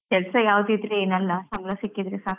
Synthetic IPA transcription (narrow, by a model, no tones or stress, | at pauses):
kɛlsɐjaːʋd̪it̪leeːnɐlːɐsɐŋɡlɐsikːid̪ɾesaɾ